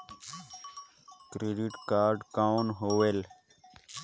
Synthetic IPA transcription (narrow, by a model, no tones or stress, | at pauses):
kɾeɖiʈkaːɾɖkanɦowel